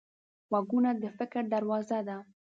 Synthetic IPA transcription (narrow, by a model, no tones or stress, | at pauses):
waɡunad̪əfɪkɾd̪aɾwɑzad̪a